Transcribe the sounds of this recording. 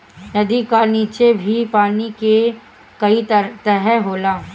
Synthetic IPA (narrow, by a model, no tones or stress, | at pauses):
nɐd̪ikaniːt͡ʃebʱipaːnike | kɐit̪t̪əɾɦɛɦoːlaː